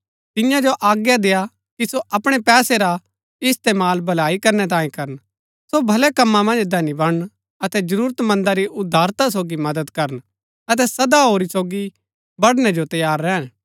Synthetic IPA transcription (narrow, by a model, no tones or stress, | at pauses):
t̪ɪjãd͡ʒoʔaːɡjad̪eːja | kisoʔɐpɽ̃epɛːseɾa | ɪst̪eːmaːlbʱɐlaːikɐɾnɛt̪ãːĩkɐɾən | sobʱɐlɛkɐmːãmɐ̃nd͡ʒd̪ʱɛːnibɐɽən | ɐt̪ɛd͡ʒɐɾuːɾət̪mɐ̃nd̪aɾiʔʊd̪ʱːaːɾt̪as̬oːɡimɐd̪əd̪kɐɾən | ɐt̪̬ɛsɐd̪aɦoːɾisoːɡi | bɐɽñɛd͡ʒot̪ɐjaːɾːɛːn